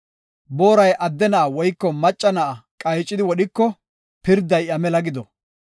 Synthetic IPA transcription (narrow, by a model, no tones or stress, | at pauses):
bo̞ːɾɐjʔɐd̪ːɛnaːwɔjkːɔmɐt͡ʃʼːɐnɐʔɐkʼɐjt͡ʃʼːɪd̪ɪwɔɗɪkːɔ | pɪɾd̪ːɐjɐmɛlɐɡɪd̪ɔ